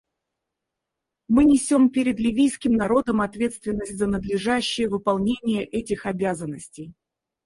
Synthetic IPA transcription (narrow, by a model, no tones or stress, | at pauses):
mɨnʲɪsʲo̞mpʲeɾʲɪd̪lʲɪvʲijskʲɪmnɐɾo̞d̪əmɐt̪vʲe̞t̪st̪vʲɪnːəsʲtʲzənəd̪lʲɪʐaɕːɪjəvɨpɐlˠnʲenʲɪjəʔɛtʲɪxɐbʲazənːəsʲtʲɪj